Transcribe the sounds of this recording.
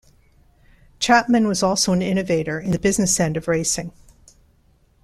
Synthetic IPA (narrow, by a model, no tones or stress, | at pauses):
t͡ʃʰæp̚mɨ̃nwʌzɔlˠsoʊɨ̃nɪ̃ñɨveɪɾə˞ɨ̃nðɨbɪznɨsɛ̃ndʌvɹeɪsɪ̃ŋ